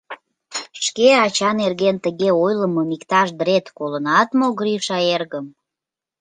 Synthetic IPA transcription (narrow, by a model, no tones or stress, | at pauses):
ʃkeɑt͡ɕɑnerɣent̪əɣeojləmomikt̪ɑʃd̪ɾet̪kolənɑt̪moɣɾiʃɑerɣəm